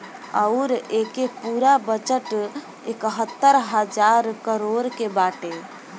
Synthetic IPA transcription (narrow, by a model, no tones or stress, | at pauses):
əʊɾekepuɾabət͡ʃəʈ | ekɦət̪ːəɾɦəd͡ʒaɾkəɾoɾkebaʈe